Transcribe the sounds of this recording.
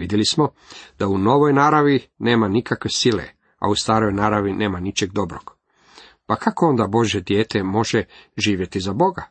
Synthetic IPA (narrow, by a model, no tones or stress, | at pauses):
id̪jelismo̞ | d̪̥auno̞ʋo̞jnaːɾaʋine̞ːmanikakʋe̞silḛ | a̰ust̪aːɾo̞jnaːɾaʋine̞ːmanit͡ʃeɡd̪o̞bɾo̰ɡ̥ | pakʰakoond̪abo̞ʒje̞d̪je̞ːt̪e̞mo̞ʒeʒiːʋje̞t̪izabo̞ɡa